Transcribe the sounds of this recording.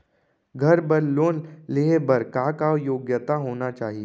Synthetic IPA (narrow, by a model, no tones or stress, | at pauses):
ɡʱɐɾbɐɾloːnleːɦebəɾkakajoːɡjət̪aɦoːnat͡ʃaːɦie